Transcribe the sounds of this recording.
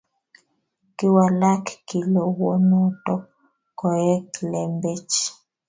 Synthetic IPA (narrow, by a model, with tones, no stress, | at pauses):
ki˦wa˨la˦kki˨lo˨wo˦nɔ˦tɔ˦ | ko˨ɛ˦klɛ˨mbe˦t͡ʃ